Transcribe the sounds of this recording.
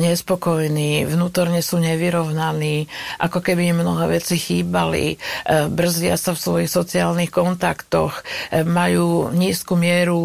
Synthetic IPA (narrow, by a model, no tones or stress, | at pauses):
ɲɛspɔkɔjniːvnuːt̪ɔɾɲɛsuːɲɛʋiɾɔʊnaniːʔakɔkɛbimmnɔɦɛ̰ːʋɛt͡sixiːbalḭbr̩zɪasafsʋɔjixsɔt͡siaːlnixkɔnt̪akt̪ɔ̰xmajuːɲiːskumɪɛɾu